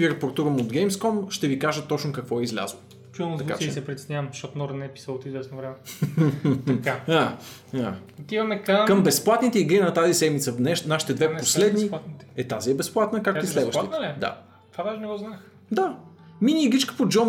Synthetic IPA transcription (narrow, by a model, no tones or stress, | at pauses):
iɾɐpoɾt̪uɾəmod̪ɡɛjmskɔmʃt̪ɛvikaʒət̪ːɔt͡ʃnʊkɐkvɔɛizlʲa̰zəlˠo | t͡ʃunzɐka̰t͡ʃːɛsɛpɾʲit̪ʲɛsnʲavɐmʃt̪ɔt̪ʊnɔɾnɛɛpi̥səlˠot̪izvɛsnovɾɛmɛ | aaat̪ivɐmɛkəkəmbɛsplˠat̪nit̪ɛiɡɾinɐt̪azisɛd̪mit̪sənɛʃnaʃi̥t̪ɛd̪vɛp̪oslɛd̪ninit̪ɛt̪aziɛbɛsplˠat̪nəkakislɛdvəʃit̪nɛd̪a̰ | t̪vad̪aʒɛnɛɡɔznax | d̪a | minʲiːɡɾit͡ʃkə̥pod͡ʒɔm